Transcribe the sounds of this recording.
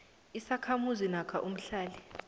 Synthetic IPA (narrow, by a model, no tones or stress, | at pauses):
isakʰamuzinakʰaʔum̩ɬaːli